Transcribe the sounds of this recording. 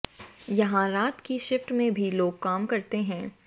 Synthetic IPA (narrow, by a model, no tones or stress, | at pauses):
jɐɦãɾaːt̪kiʃɪfʈmẽbʱiloːɡ̚kaːmkɐɾt̪eɦɛ̃ː